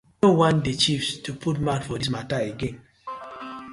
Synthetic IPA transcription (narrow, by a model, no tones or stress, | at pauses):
õwãntdet͡ʃifstʰupʰut̚madfɔdis̬mataeɡɛ̃n